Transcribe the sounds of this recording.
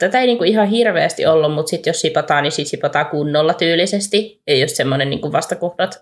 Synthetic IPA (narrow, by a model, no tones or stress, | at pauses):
t̪æt̪æeiniːŋkuihɑhirʋeæst̪ḭʔolːummut̪sit̪jossipɑt̪ɑːnisit̪sipɑt̪ɑːkunːolːɑt̪yːlːisest̪ieijost̪semːonennḭːŋkuʋʋɑst̪ɑkohdɑt̪